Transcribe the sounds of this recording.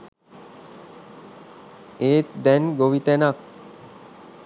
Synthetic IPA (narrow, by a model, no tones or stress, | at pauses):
eːt̪d̪ɛnɡoʋit̪ɛnak̚